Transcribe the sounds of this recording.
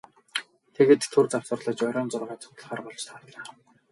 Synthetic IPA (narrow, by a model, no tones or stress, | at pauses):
t̪ʰeɣeːt̪t̪ʰːɵrt͡saw̥sə̆rɮə̆t͡ɕɔɾʲɔːnt͡sʊrʁaːt͡sʰʊ̥kt̪ə̆ɮχaːrpɔɮt͡ɕt̪ʰaːɮaː